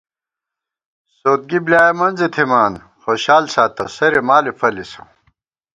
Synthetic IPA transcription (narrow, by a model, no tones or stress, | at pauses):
soːt̪̚ɡibljaːjɐmɐnzet̪ʰimaːn | xoːɕaːlsaːt̪ɐsɐɾemaːlipʰɐliso